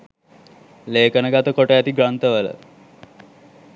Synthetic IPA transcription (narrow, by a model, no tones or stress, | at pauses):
leːkənəɡat̪əkoʈəjæt̪iɡɾant̪əʋələ̰